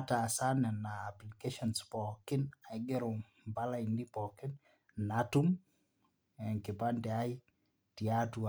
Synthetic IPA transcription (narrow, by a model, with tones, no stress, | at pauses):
ta˨sa˦nɛ˨naː˨plikeʃɔnspɔkɪ˦na˨jɡɛ˦ɾo˨ | mba˦la˦indi˦pɔkɪ˦n | natu˦m | ɛ˨ŋkɪ˨pa˦ndɛ˨a˦i˦ | ti˨atu